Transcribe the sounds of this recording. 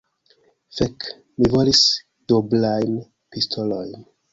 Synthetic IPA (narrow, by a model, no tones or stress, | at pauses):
fek | mivolis | d̥oblajn | pistʰolo̞jn